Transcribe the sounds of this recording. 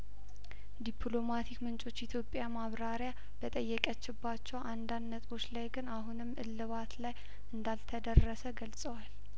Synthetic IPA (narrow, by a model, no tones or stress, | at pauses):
d̪ipʰlo̞mat̪ʰikmɨnt͡ʃʼo̞t͡ʃːit̪ʰjo̞pʼjamaβɾaɾja | b̥ət̪ʼəjːɛkʼət͡ʃːɪbːat͡ʃːɛwʔand̪and̪nːət̪ʼo̞t͡ʃlajɡɨnaɦunɨmːɨ̰lːɨβat̪laj | ɨnd̪alt̪ʰəd̪ərːəsəɡəlsʼəwal